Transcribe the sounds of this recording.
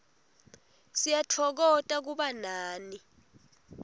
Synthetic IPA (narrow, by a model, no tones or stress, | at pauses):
sijatʰɔk̬ɔtʼak̬uɓanaːni